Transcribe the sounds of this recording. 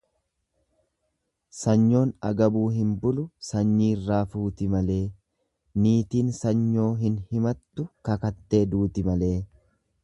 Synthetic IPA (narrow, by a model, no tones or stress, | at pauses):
sɐɲːo̞ːnɐɡɐbuːɦɪmbʊlʊsɐɲːiːrːaːfuːt̪ɪmɐle̞ː | niːt̪iːnsɐɲːo̞ːɦɪnhɪmɐt̪ːʊkɐkɐt̪ːe̞ːd̪uːt̪ɪmɐle̞ː